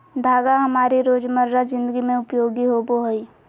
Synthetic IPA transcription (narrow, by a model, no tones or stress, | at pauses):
d̪ʱaːɡaɦɐmaːɾiɾoːd͡ʒməɾɾazɪ̃nd̪əɡimẽʊpjoːɡiɦoboɦoiː